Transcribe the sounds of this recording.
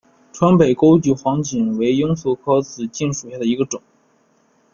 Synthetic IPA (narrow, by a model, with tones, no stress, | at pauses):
ʈ͡ʂʰwə˥npe˨˩ɪko˥ʊt͡ɕy˧˥xwɑ˧˥ŋt͡ɕi˨˩nwe˧˥ɪjʊ˥ŋsu˥˩kʰɤ˥t͡sɹ̩˨˩t͡ɕi˥˩nʂu˨˩ɕja˥˩d̪ə˩i˧˥ɡə˧ʈ͡ʂʊ˨˩˦ŋ